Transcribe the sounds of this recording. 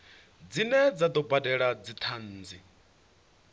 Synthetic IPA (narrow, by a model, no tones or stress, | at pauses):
d͡zinɛd͡zad̪ɔbadɛɺad͡zit̪ʰanːd͡zi